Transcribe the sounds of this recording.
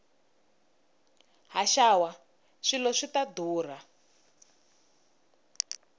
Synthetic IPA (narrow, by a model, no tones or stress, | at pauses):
ɦaʃawa | ʂilɔʂitaduːr̤a